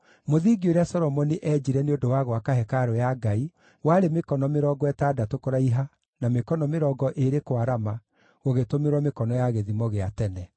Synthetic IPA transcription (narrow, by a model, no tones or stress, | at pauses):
moðiɡioɾeasɔɾɔmɔniʔɛd͡ʒiɾɛneodowaɣwakaɦɛkaɾɔjaɡai | waɾemekɔnɔmeɾɔɡɔɛtaːdatokoɾaiɦa | namekɔnɔmeɾɔɡɔʔeɾekwaɾama | ɣoɣetomeɾwɔmekɔnɔjaɣeðimɔɣeatɛnɛ